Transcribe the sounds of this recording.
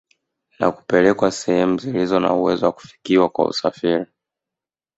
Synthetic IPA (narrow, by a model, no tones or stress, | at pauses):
na̰ku̥pɛlɛkwasɛhɛmuzilizɔna̰uwɛzɔwaku̥fi̥kiwakwa̰ṵsafiɾi